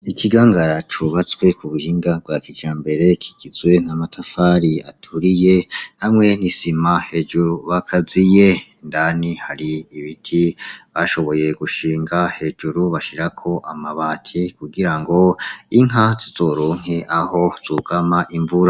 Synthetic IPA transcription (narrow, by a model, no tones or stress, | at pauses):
ikʰiɡaːŋɡaɾat͡ʃuβat͡swe̞kʰuβuhiːŋɡabwakid͡ʒaːmbe̞ɾe̞kʰi̥ɡizwe̞namatʰafaːɾiatʰuɾije̞namŋe̞nisimahe̞d͡ʒuɾuβakʰazije̞ | ndanihaɾiːβitʰiβaʃo̞βo̞je̞ɡuʃiːŋɡahe̞d͡ʒuɾuβaʃiɾakʰo̞ʔamaβaːtʰikuɡiɾaŋɡo̞iŋ̥ɦatʰuzo̞ɾuːŋ̥eʔaho̞z̥uɡ̥amaʔiɱvuɾa